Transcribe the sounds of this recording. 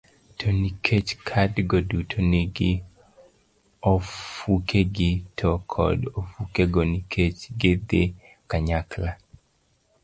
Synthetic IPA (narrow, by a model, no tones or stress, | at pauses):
tʰonikʰet͡ʃkʰadɡodutʰoneɡɪ | ofukʰeɡɪtʰɔkʰɔ̰dofukeɡonikʰet͡ʃɡed̪e | kaɲakla